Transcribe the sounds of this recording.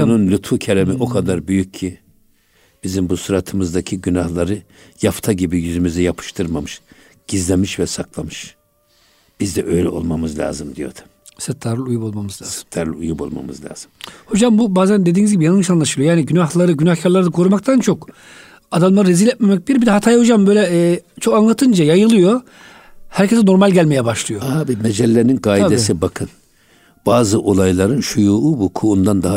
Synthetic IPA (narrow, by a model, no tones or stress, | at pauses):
ununlʲut̪fucʰelʲemiʔo̞kʰad̪aɾbyjycʰːi | b̥izimbusuɾat̪ʰɯmɯzd̪acʰiɟynahlˠaɾɯ | jaft̪ʰaɟibijyzymyzɛjapʰɯ̥ʃt̪ʰɯɾmamɯʃ | ɟ̥izlʲemiʃvɛsaklˠamɯʃ | b̥izd̪ɛ̰ʔø̞jlʲɛo̞̰lˠmamɯzlʲa̰ːzɯmd̪ijo̞̰d̪̥u̥ | sɯt̪ʰːaɾlujupo̞lˠmamɯzlːsɯ̥t̪ʰːaɾlˠujupo̞lˠma̰mɯ̰zlʲa̰ːz̥ɯmho̞d͡ʒambubaːzænd̪ed̪iːnizɟibijanɯnɯʃanlˠaʃɯlˠjo̞jaːniɟynaxlˠaɾɯɟynaxcʰaɾlˠaɾɯd̪akʰo̞ɾumak̚t̪ʰant͡ʃʰo̞k | ad̪amlˠaɾɯɾezilʲɛt̪memɛc̚b̪ʲiɾbid̪ɛɦat̪ʰaːjaho̞d͡ʒambø̞jlʲɛːt͡ʃʰo̞kanlˠat̪ʰɯnd͡ʒajajɯlˠɯjo̞ | hæɾcʰesɛno̞ɾmalʲɟælʲmejɛbaʃlˠɯjo̞abimɛd͡ʒɛlʲːeninɡaːjiesibakʰɯn | b̥aːzɯʔo̞lˠajlˠaɾɯnʃujuːubukʰuːnd̪and̪a